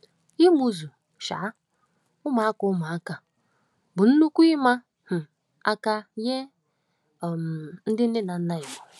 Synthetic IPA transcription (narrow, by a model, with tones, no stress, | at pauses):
i˦mu˦zu˨ | ʃa̰ː˨˦ | ʊ˦ma˨a˦kʊ˨ʊ˦ma˨a˦ka˨ | bʊ˨n̩˦nu˦kʷu˦i˦ma˦ | h̩˨ | a̰˦ka˦je˦˨ | m˨n̩˦dɪ˦n̩˦dɪ˦na˨n̩˦na˦ɪ˨bɔ˨